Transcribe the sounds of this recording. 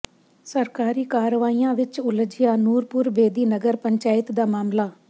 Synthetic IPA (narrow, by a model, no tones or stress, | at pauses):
səɾkaːɾiːkaːɾəʋaːijãːʋɪt͡ʃʊləd͡ʒɪjaːnuːɾpʊɾʋeːd̪iːnəɡəɾpəɲt͡ʃaːɪt̪d̪aːmaːmlaː